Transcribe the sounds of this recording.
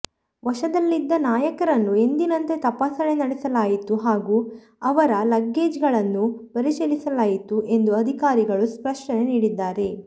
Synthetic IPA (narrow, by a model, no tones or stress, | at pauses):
ʋɐʃɐd̪ɐlːid̪ːɐnaːjɐkɐɾɐnːue̞nd̪inɐnt̪e̞t̪ɐpaːsɐɭenɐɽesɐlaːjit̪uɦaːɡuː | ɐʋɐɾɐlɐɡːe̞ːd͡ʒɡɐɭɐnːupɐɾisɐlisɐlaːjit̪uʔe̞nd̪uɐd̪ʱikaːɾiɡɐɭuspɾɐʂɳɐneniːɽid̪ːaːɾe̞